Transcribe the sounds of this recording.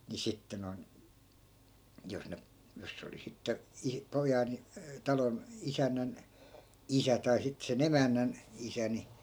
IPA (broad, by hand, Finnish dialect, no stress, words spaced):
ni sitːe non jos ne jos se oli sitːe i pojɑn tɑlon isænːæn isæ tɑi sit sen emænːæn isæ ni